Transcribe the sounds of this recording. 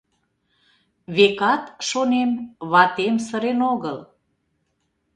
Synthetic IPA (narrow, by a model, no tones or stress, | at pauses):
βekɑt̪ʃonemβɑt̪emsəɾenoɣəl